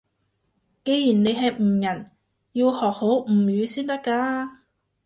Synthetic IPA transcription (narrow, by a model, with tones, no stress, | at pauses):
ke˨˧jjiː˨˩nne˨˧jɦɐ˨jm̩ː˨˩jɐ˨˩n | ji˧whɔː˨˩k̚ho˨˥wm̩˨˩jyː˨˧siː˥nt̪ɐ˥kːaː˧